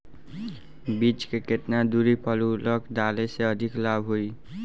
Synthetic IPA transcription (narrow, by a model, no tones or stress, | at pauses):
bit͡ʃkeket̪nad̪uɾipʌlulʌkd̪aleseʌd̪ʱiklabɦoi